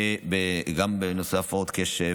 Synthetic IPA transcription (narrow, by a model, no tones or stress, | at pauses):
ebeɡambenosafod̪keʃe